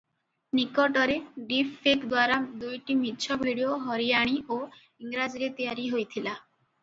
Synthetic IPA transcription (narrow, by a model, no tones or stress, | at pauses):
nikɔʈɔɾeɖipʰːekd̪waɾad̪ujʈimitːt͡ʃʰɔbʱiɽioɦɔɾijaɽ̃iʔo | iŋɾad͡ʒiɾet̪ijaɾiɦojt̪ʰila